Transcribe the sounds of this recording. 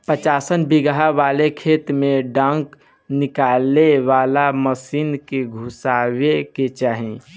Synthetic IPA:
pət͡ʃaːsənbiɡɦaʋaːlekʰeːt̪mẽɖə̃ŋk | nɪkaleʋaːlaməsiːnkeɡʱusaːweket͡ʃaːɦĩ

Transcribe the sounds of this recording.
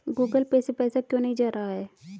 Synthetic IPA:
ɡuːɡəlpɛːsepɛːsakjõːnɐɦĩd͡ʒaːɾaɦaɦɛː

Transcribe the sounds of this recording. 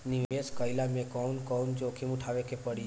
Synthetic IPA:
niʋeskəjlamẽkɔnkɔnd͡ʒokʰimũʈʰaʋekepəɽi

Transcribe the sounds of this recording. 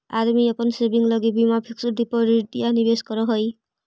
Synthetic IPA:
aɾmiɔpɔnsebiŋlɔɡibimapʰiksuɖipɔɾiʈianibeskɔɾɔɦoj

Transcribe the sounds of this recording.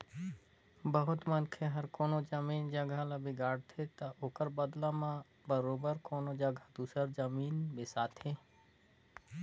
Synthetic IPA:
bəɦʊt̪mənkʰeɦɐɾkoːnod͡ʒəmiːnd͡ʒəɡʱalabɪɡaːɽt̪ʰet̪aoːkəɾbəd̪lãmã | bəɾoːbəɾkoːnod͡ʒəɡʱad̪uːsɾəɾd͡ʒəmiːnbesaːt̪ʰɦeː

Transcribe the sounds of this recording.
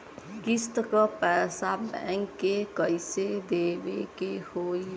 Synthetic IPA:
kist̪kəpɛːsabɛ̰̃ŋkːekəised̪eːʋekehoːi

